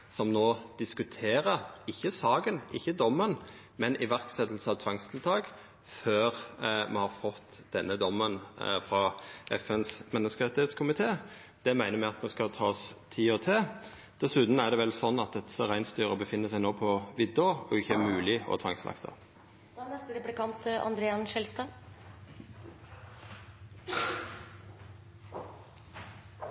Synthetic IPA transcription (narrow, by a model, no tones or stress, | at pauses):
sɔmnoːd̪̥ɪskʉt̪ʰeːɾəɪçːəsɑːɡənʔɪçːəd̪ɔmːən | mɛnʔɪʋæʁksɛt̪l̩səɑʋt̪ʰʋɑŋst̪ʰɪlt̪ʰɑːɡ | føːɾmɛhɑɾfɔt̪ːd̪̥ɛnːəd̪ɔmːənfɾɑʔɛfɛnsmɛnːəskəɾɛt̪ɪeːt̪skʰʊmɪt̪ʰeː | d̪̥ɛmæɪnəɾmæɪɑt̪mɛskɑlt̪ʰɑːst̪ʰiːɔt̪ʰeː | d̪̥ɛsʉt̪n̩æʁd̪ɛʋɛlsɔnːɑt̪̚d̪ɛt̪səʁæɪnst̪yːʁəbəfɪnːəsæɪnoːpʰɔʋɪd̪ɔɔɪçːəæmʉːlɪɔ̰t̪ʰɑŋslɑ̰kt̪ʰɑ̰ | nɛst̪əɾɛplɪkɑnt̪ɑ̰nd̪ɾeːɑnʃɛlst̪ɑː